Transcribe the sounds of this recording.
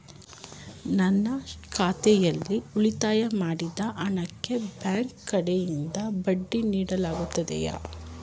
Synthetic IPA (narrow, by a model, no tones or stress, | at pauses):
nɐnːɐkʰaːt̪ɛjɐlːiuɭit̪aːjɐmaːɽid̪ɐʔɐɳɐkːe̞bjaːŋkkːɐɽejind̪ɐbɐɖːiniːɽɐlaːɡut̪ːɐd̪ɛ̰ja̰ː